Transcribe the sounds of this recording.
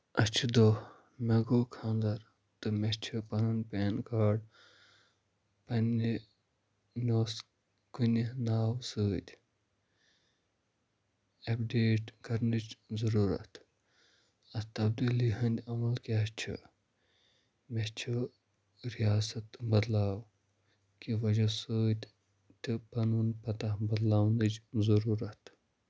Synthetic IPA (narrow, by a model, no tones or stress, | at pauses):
ɐt͡ʃʰid̪o | mɐɡoːkʰãːnd̪ɐɾ | t̪ɨmet͡ʃʰupɐnɐnʲpeːnkaːɖ | pɐni | nʲoːs | kunʲinaːwsɨːd̪ʲ | ɐpɖeːʈkɐɾnit͡ʃzɐɾuːɾɐ̰t̪ | ɐt̪ɐb̚d̪ilihɐnd̪ʲɐmɐlkat͡ʃʰḭ | met͡ʃʰu | ɾijaːsɐt̪bɐd̪laːw | kiʋɐd͡ʒɐsəːt̪ʲ | t̪ʰɨpɐnunpɐt̪ɐhbɐd̪laːwnɨt͡ʃzɐɾuːɾɐt̪